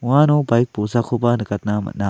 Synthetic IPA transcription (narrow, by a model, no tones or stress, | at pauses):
ʊãːnõːbajk̚poːsaːkʰoːpanɨkɐt̪nãːmɐ̰naː